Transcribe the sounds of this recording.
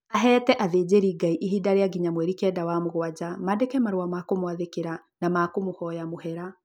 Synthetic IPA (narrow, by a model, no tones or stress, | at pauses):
aɦɛːtɛʔaðeːd͡ʑeɾiːɡaiʔiɦidaɾeaɡiɲamwɛɾikɛdawamoɣwad͡ʑamadekɛmaɾowamakomoaðekeɾa | namakomohɔjamohɛɾa